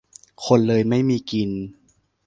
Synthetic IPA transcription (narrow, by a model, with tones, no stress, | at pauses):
kʰo˧nlɤː˧jma˥˩jmiː˧ki˧n